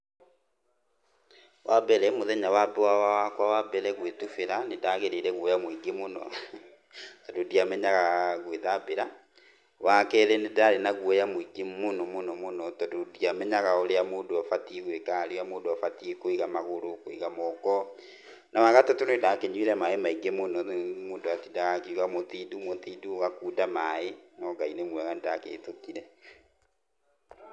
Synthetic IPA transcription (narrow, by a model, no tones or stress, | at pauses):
wʔabɛɾɛmoðɛɲawabɛwawawakwawabɛɾɛɣwetufeɾanedaɣeɾeɾɛɣwɔjamwiɡemonɔ̰ | tɔdodiamɛɲaɣaɣweðabeɾa | wakɛɾɛnedaɾenaɣwɔjamoiɡemonɔmonɔmonɔtɔdodiamɛɲaɣaoɾeamoːndoafatieɣwekaɾeamoːndoafatiekoiɣamaɣoɾokoiɣamɔkɔ | nawaɣatɔtonedakeɲweɾɛmaemaiɡemonɔmoːndoatidaɣakeuɣamotidumotiːduoɣakuːdamaenɔɡainemwɛɣanedakḛːtokiɾɛ